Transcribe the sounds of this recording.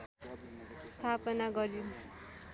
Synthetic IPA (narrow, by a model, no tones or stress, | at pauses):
st̪ʰapʌnaɡʌɾi